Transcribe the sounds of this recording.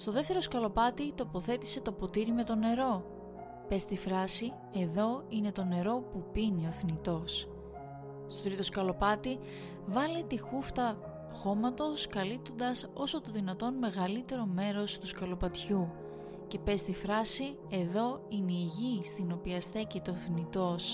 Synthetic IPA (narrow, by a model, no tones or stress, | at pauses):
st̪o̞ðe̞ft̪e̞ɾo̞skɐlo̞pɐt̪it̪o̞po̞θe̞t̪i̥se̞t̪o̞po̞t̪iɾime̞t̪o̞ne̞ɾo̞ | pe̞st̪ifɾɐsi | e̞ðo̞ine̞t̪o̞ne̞ɾo̞pupinio̞θnit̪o̞s | st̪ot̪ɾit̪o̞skɐlo̞pɐt̪i | vɐlit̪ixuft̪ɐ | xo̞mɐt̪o̞skɐlip̚t̪o̞nd̪ɐso̞so̞t̪o̞ðinɐt̪o̞nme̞ɣɐlit̪e̞ɾo̞me̞ɾo̞st̪uskɐlo̞pɐt̪çu | ce̞pe̞st̪ifɾɐsi | e̞ðo̞ineiʝist̪ino̞piɐsθe̞cit̪oθnit̪o̞s